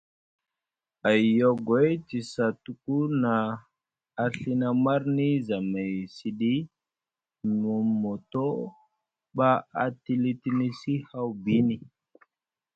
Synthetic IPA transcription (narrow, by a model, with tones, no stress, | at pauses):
a˨jo˦ɡe˦jti˨sa˨tu˦ku˦naː˨ | ɬi˦na˦ma˦ɾni˦za˨me˨jsi˨ɗi˦ | mu˨mo˨to˦ | ɓa˦a˨ti˦li˦ti˦ni˦si˦ha˦wbi˦ni˨